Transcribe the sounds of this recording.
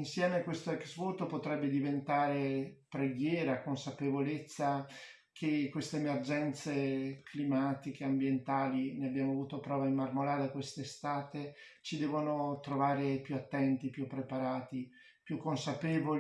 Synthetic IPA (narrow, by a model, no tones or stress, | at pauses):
insjɛːmekwest̪oɛksvut̪opot̪ɾɛbːed̪ivent̪aːɾepɾeɡjɛːɾakonsapevolet̪sːa | kʰekːwest̪eemerd͡ʒɛnt̪seklimaːt̪ik̟eambjent̪aːlineabjaːmoavuːt̪opɾɔːvaimːarmolaːɾekwest̪est̪aːt̪e | t͡ʃid̪ɛːvonot̪ɾovaːɾepjuat̪ːɛnt̪ipjupːɾepaɾaːt̪i | pjukːonsapeːvol